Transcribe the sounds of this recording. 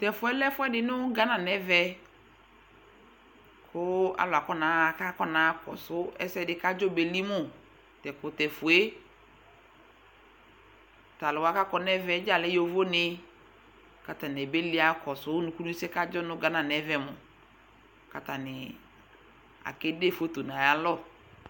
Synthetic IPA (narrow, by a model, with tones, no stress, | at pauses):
tɛ˨fʊ˨ɛ˦lɛ˦fʊ˦ɛ˦dɪ˨nʊ˦ɡa˦na˨nɛ˨˦vɛ˦ | kʰʊ˦a̰˨lʊ˨a˨kɔ˦na˨˦˨ka˦kɔ˦na˨˦kɔ̰˨sʊ˦ɛ̰˦sɛ˦˨dɪ˨ka˦d͡ʒɔ˦be˨li˦mʊ˦˨ | tɛ˨kʊ˨tɛ˨fʊ˨e˦ | ta˨lʊ˨wa˦ka˦kɔ˨nɛ˦vɛ˨˦d͡ʒa˦˨lɛ˦jo˨vo˦nɪ˨ | ka˨ta˨n˨ɛ˨be˦li˦a˦kɔ˨sʊ˦nʊ˨˦ku˦lu˦sɛ˦ka˦d͡ʒɔ˦nʊ˦ɡa˨na˨nɛ˨˦vɛ˦mʊ˨ | ka˨ta˨nɪ˨ | a̰˨kɪ˦de˦˨fo˦to˨na˨ja˦lɔ˦